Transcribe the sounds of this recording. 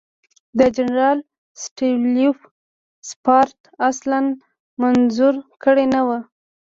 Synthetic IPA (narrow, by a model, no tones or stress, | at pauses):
d̪əd͡ʒanɾɑl | sʈilif | spɑɾt̪aslan | manzuɾkəɽenawə